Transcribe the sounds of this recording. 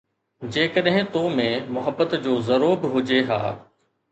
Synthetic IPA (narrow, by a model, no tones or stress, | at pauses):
d͡ʑeːkəɗɦɪ̃t̪oːmẽmʊɦəbːət̪d͡ʑoːzɐɾoːbɦʊd͡ʑeɦa̰ː